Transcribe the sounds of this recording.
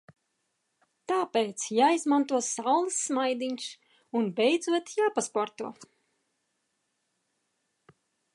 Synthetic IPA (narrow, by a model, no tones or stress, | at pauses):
t̪aːpeːt̪sjaːizmant̪uɔsawlˠɨsːmajd̪iɲs | unbɛjd̪zuɔt̪jaːpaspɔɾt̪uɔ